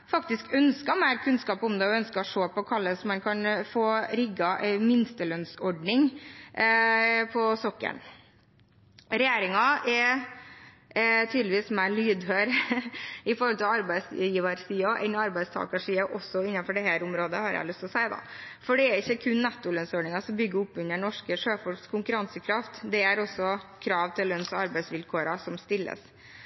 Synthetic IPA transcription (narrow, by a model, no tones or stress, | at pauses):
fɑkt̪ɪskœnskəmæɪɾkʰʉnskɑːpɔmd̪ɛɔœnskəɔʂoːpɔkʰɑlːəsɔmːɛnkʰɑnfoːɾɪɡːɑʔɛmɪnst̪əlœnsɔɖɳɪŋ | pʰɔsɔkːə̰ɳ | ɾɛjeːɾɪŋɑɛ | t̪ʰyːd̪lɪʋiːsmæɭyːd̪høːɾ | ɪfɔɾhɔlt̪ʰɪlɑɾbæɪsjiːʋɑɾsiːɔʔɛnɑɾbæɪst̪ʰɑ̰ːkɑʂiːɑʔɔsːɔɪnːɑnfɔɖɛɦæːɾʊmɾoːd̪əhɑɾjæ̰ɪlʉst̪lɔsæɪd̪ɑ̰fɔɖɛːɾɪçːəkʰʉnːɛt̪ːʊlœnsoːɳɪŋɑsɔmbʏɡːəʊpːʉɲːəɳɔʂkəʂøːfɔɭkskʰʊŋkʉɾɑnsəkʰɾɑft̪d̪ɛæɾɔsːɔkʰɾɑːʋt̪ʰɪlːœnsɔɑɾbæɪsʋɪlkʰoːɾɑsɔmst̪ɪlːə̰s